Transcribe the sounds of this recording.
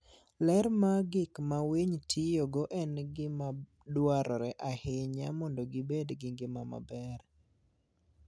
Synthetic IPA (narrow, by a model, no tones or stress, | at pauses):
lɛɾmaɡɪkmaweɲtʰijɔɡɔʔɛnɡɪma | dwaɾɔɾɛʔahɪɲamɔndɔɡɪbedɡɪɡɪmama̰bɛr